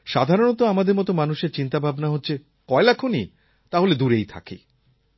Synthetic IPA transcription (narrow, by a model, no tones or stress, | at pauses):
ʃad̪ʱaɾonot̪oamad̪eɾmɔt̪omanuʃeɾt͡ɕint̪abʱabnaɦotːɕʰe | kɔelakʰoni | t̪aɦoled̪uɾejt̪ʰa̰kḭ